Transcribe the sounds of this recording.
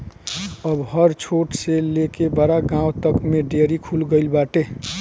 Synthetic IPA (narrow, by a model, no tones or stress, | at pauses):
əbɦəɾt͡ʃʰoːʈselekebəɾaɡãːwt̪əkmẽɖeːɾikʰulɡəɪlbaːʈe